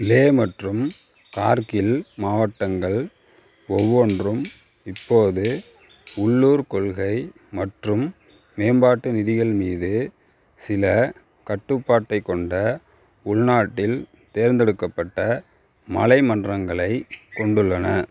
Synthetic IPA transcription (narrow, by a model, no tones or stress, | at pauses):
ɪleːmɐʈrɯm | kaːɾkɪlmaːʋɐʈːɐŋɡɐɭ | ɔʋːoːndrɯm | ɪpːoːðɯ | ʊɭːuːɾkɔɭɣɐɪ | mɐʈrɯmː | eːmbaːʈːɯnɪðɪɣɐɭmiːðɯ | sɪlɐ | kɐʈːɯpːaːʈːɐɪkːɔɳɖɐ | ʊɭnaːʈːɪl | t̪eːɾnd̪ɛɽɯkːɐpːɐʈːɐ | mɐlɐɪmɐndrɐŋɡɐɭɐɪkɔɳɖɯɭːɐnɐ